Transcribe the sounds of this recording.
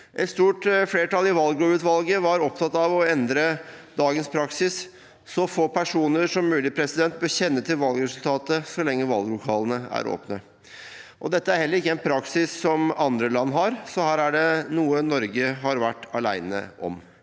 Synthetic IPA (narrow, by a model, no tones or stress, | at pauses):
ʔɛt̪st̪uːʈfleːʈɑlɪʋɑlɡloʉːt̪ʋɑlɡəʋɑɾɔp̚t̪ʰɑt̪ːɑʋɔɛnd̪ɾəd̪ɑːɡənspʰɾɑksɪs | sɔfoːpʰæʂuːnəɾʂɔmːʉːlɪpʰɾɛsɪd̪ɛnt̪̚bøɕɛnːət̪ʰɪlʋɑlɡɾɛsʉlt̪ʰɑːt̪əsɔlɛŋːəʋɑlɡlʊkʰɑːlənəæ̰ɾo̰ːpnə | ʔɔd̪ɛt̪ːəæɾhɛlːəɾɪkːəɛnpʰɾɑksɪsːɔmɑnd̪ɾəlɑnːɦɑɾsɔhæːɾæɖɛnuːənɔɾɡəɦɑɾʋæʈːɑɭæ̰ɪnə̰ʔɔ̰m